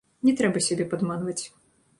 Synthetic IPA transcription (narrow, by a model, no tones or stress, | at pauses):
nʲɛt̪ɾɛbɐsʲud̪ɛpad̪manvɐt͡sʲ